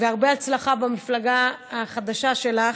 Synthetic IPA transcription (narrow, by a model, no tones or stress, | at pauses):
zeaʁbeat͡slaχabamiflaɡaaχad̪aʃaʃe̞laχ